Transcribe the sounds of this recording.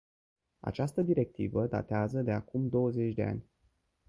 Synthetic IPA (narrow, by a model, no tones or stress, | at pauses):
a̰t͡ʃast̪əd̪iɾe̞k̚t̪ḭvəd̪a̰t̪eazəd̪e̞akumd̪o̞wəze̞t͡ʃʲd̪e̞a̰nʲ